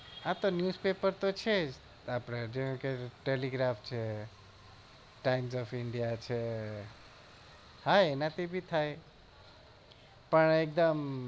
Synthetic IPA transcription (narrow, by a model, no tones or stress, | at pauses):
ãt̪onjuspepəɾt̪ot͡ʃʰe | apɾad͡ʒkeʈeliɡɾapʰt͡ʃʰe | ʈajmsɔpʰiɳɖijat͡ʃʰe | hajnat̪ibʱit̪ʰaj | pəɳek̚d̪əm